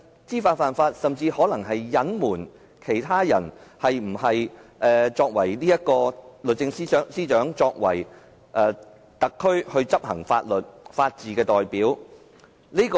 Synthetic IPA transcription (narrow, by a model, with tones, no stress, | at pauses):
t͡siː˥faː˧t̚faː˧nfaː˧t̚sɐ˨mt͡siː˧hɔː˨˥lɐ˨˩ŋɦɐ˨jːɐ˨˥nmuː˨˩n | kʰe˨˩jt̪ʰaː˥jɐ̰˨˩nhɐ˨jm̩˨˩hɐ˨jʔɛː˨t͡sɔː˧k̚wɐ˨˩jliː˥jɐ˥t̚kɔː˧lɵ˨t̚t͡sɪ˧ŋsiː˥˨˥siː˥t͡ʃœː˨˥ŋt͡sɔː˧k̚wɐ̰˨˩j | ʔɛː˧ | t̪ɐ˨kʰːɵ˥ɥhɵ˧ɥt͡sɐ˥p̚hɐ̰˨˩ŋfa̰ː˧t̚lɵ˨t̚faː˧t̚t͡siː˨kɛː˧t̪ɔː˨jpiː˨˥w | niː˥kː